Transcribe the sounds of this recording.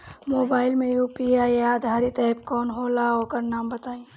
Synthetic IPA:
moːbaːɪlmẽjuːpiaːjaːd̪ʱaːɾit̪ɛpkɔːnɦoːlaoːkəɾnaːmbət̪aːĩ

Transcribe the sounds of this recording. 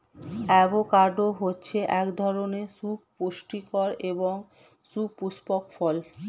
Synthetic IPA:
ɛbokaɾɖoɦotːɕʰeʔɛkd̪ʱɔɾonesupoʃʈikɔɾeboŋ | supuspokfɔl

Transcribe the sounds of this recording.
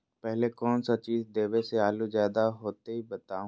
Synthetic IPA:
pɛɦlekɔːnsat͡ʃiːzd̪eːʋeseaːluzjaːd̪aɦoːt̪eɦibɐt̪aːũ

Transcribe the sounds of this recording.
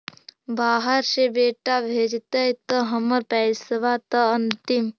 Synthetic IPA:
baːɦəɾʃebeːʈabʱeːd͡ʒt̪ɐjt̪əɦɐmɐɾpɛjsəʋat̪ɐɐnt̪im

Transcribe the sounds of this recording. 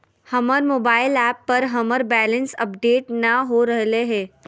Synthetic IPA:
hɐməɾmoːbaːɪlɛːpːɐɾɦɐməɾbɛːlə̃nsɐ̰pɖeːʈnɐɦoɾɐɦleɦɛ̃ː

